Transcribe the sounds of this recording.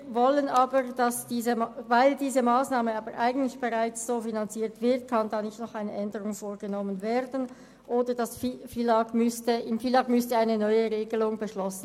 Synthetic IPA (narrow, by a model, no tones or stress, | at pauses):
vɔlənʔaːbəʁd̥ɑsd̥iːzəmvaɪldiːzəmaːsnaːməɑːbəʁʔaɪɡn̩tlɪçb̥eʁaɪt͡sz̥oːfinant͡siːɐtv̥ɪʁt̚kʰɑndɑːnɪçtnɔχaɪnəʔɛndəʁʊŋfoːʁɡənɔmənveːɾdn̩ | ʔoːdəd̥ɑsfifilɑkmʏstəɪmfilɑkmʏstəaɪnənɔʏəʁeːɡəlʊŋbəʃlɔsn̩